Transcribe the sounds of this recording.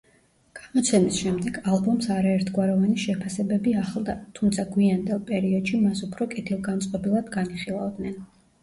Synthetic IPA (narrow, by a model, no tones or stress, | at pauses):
ɡ̥amɔt̪sʰɛmisʃɛmd̪ɛɡalˠbɔmsaɾaɛɾt̪ʰɡwaɾɔvaniʃɛpʰasɛbɛbiaχlˠd̪at̪ʰumt̪sʰaɡwiand̪ɛlˠpʼɛɾiɔd̪̥ʃimasupʰɾɔkʼit̪ʰilˠɡant̪sʼqʼɔbilˠad̪ɡaniχilˠavd̪nɛn